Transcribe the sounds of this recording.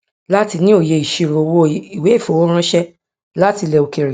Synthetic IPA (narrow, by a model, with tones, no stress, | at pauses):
la˦ti˧nĩ˦o˦˨je˧˨i˨ʃi˧˨ɾo˨wo˦˨i˨we˨˦i˦˨fo˨wo˦ɾ̃ã˦ʃɛ˦ | la˦ti˧lɛ˧˨o˧˨ke˧˨ɾi˨